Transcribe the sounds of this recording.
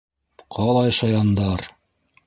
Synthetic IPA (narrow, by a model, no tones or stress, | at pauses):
qʰɑlˠɑjʃɑjɑnd̪ɑɾ